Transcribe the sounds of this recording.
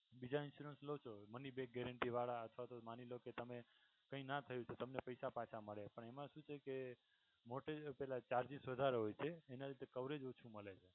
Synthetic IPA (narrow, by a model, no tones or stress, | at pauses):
bid͡ʒaɪnsuɾənslot͡ʃʰomənibeɡɛɾəɳʈiʋaɭaət̪ʰʋat̪omaniloket̪əme | kə̃ĩnat̪ʰəjũt͡ʃʰot̪əmnepəjsapãt͡ʃʰaməɭepəɳemãʃũt͡ʃʰeke | moʈepɛlat͡ʃaɾd͡ʒisʋəd̪ʱaɾeɦojt͡ʃʰeːnalit̪ekəʋɾed͡ʒot͡ʃʰũməɭet͡ʃʰe